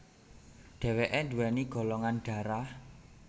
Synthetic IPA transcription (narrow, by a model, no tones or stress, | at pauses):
ɖ̥ɛ̤weʔendṳwɛniɡ̥ɔ̤lɔŋanɖ̥ä̤ɾah